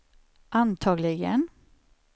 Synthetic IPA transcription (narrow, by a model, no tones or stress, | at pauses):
ʔant̪ʰɑːɡlɪɡən